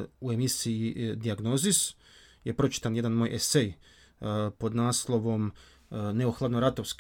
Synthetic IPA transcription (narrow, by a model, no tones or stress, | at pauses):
ue̞misiid̪iaɡno̞ːzis | jepɾo̞t͡ʃi̥t̪anjed̪anmoːjʔesej | po̞d̪naːslˠo̞ʋo̞m | ne̞oxlˠad̪noɾat̪oʋsk